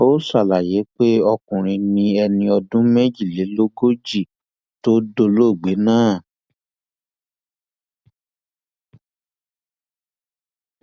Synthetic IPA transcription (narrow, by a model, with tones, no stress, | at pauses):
o˦sa˦˨la˨je˨˦k͡pe˦ɔ˧kũ˨ɾ̃ĩ˧nĩ˧ɛ˧nĩ˧ɔ˧dũ˦mɛ˦d͡ʒi˦˨le˨˦lo˦ɡo˦d͡ʒi˦˨ | to˦do˧lo˦˨ɡ͡be˨˦nãː˦˨